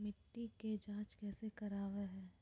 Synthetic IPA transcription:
mɪʈːiked͡ʒãːt͡ʃkɛːsekɐɾaːʋeɦɛ̃ː

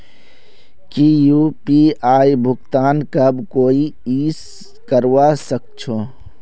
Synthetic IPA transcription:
kijuːpiaːibʱʊɡt̪aːnkɐbkoːiiːs | kəɾwasək̚t͡ʃʰoː

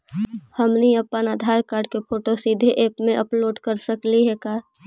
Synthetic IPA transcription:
həmniəpːənaːd̪ʱaːɾkaːɾɖkepʰoːʈosid̪ʱeʔeːpmẽʔəploːɖkəɾsəkliɦɛkaː

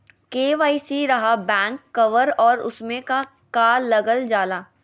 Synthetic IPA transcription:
keːʋaːisiɾɐɦabɛ̃ːŋkːɐʋəɾɔːɾʊ̰smẽka | kaːɾːɐɡəld͡ʒaːlaː

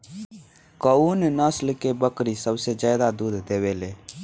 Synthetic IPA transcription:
kəunnəslkebəkɾisəbsed͡ʒaːd̪ad̪uːd̪ʱd̪eːweleː

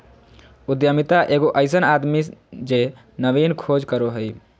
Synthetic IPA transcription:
ʊd̪jəmit̪aʔeːɡoʔəɪsənaːd̪mid͡ʒe | nəʋiːnkʰoːd͡ʒkəɾoɦəi

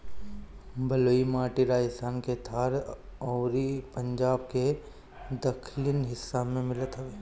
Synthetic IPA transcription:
bɐloːimaːʈiɾaːsaːnket̪ʰaːɾɔːɾipə̃ɲd͡ʒaːbke | d̪əkʰlɪnɦɪsːamẽmɪlət̪ɦɛʋeː

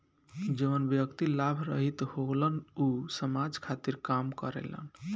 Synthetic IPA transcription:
d͡ʒeʋənbjəkt̪ilabʱɾə̰ɦit̪hoɡlənusəmad͡ʒkʰat̪iɾkamkə̰ɾḛlə̰n

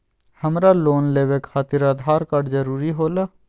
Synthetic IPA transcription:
həmɾaloːnleːʋekxaːt̪ɪɾaːd̪ʱaːɾkəɽd͡ʒəɾuːɾiɦoːlaː

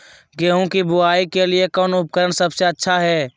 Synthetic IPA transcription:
ɡeːɦũkibʊaːikeliekɔːnʊp̚kəɾəɽ̃səbseətːʃʰaɦɛː

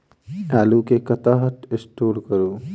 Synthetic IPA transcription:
aːlukekɐt̪aːɦəʈ̪ɪsʈoːlkəɾuː

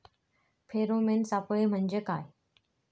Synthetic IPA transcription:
pʰeːɾomẽːnsãːpʊɭem̤əɲd͡ʑəkaːɦe

